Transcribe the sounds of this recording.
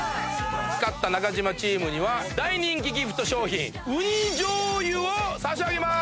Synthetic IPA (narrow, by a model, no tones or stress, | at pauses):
t͡sɨ̥kat̪ːanakaʑimat͡ɕiːmɯ̟ɲiβad̪aiɲʲĩŋk̬ʲiɡʲiɸɯ̥t̪oɕo̞ːçḭ̃ŋ | ɯ̟ɲid͡ʑoːjɯosaɕ̬iaɡe̞ma